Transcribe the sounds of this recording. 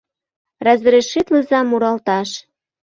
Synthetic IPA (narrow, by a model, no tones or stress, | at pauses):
ræzə̆ɾeʃːit̪ləzɑmːuɾɑlt̪ɑʃ